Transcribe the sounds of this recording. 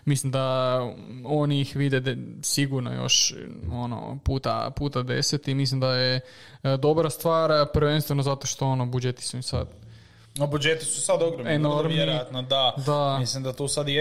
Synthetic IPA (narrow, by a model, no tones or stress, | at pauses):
mislimd̪a | o̞niixʋid̪ed̪siɡuɾno̰jo̰ʃono̰puːt̪a̰puːt̪ad̪e̞set̪imislimd̪aje | d̪o̞bɾast̪ʋaːɾpɾʋe̞nst̪ʋe̞nozat̪o̞ʃt̪o̞onobud͡ʒet̪i̥suimsa̰d̪ | nobud͡ʒet̪isusad̪oɡɾomenoɾmeɾioat̪nod̪ad̪amislimd̪at̪oːsad̪je